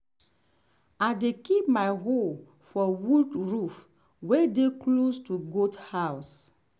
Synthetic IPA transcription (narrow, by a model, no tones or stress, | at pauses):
adekip̚maɪɦol | fɔwudɹuf | wɛdeklostuɡothaws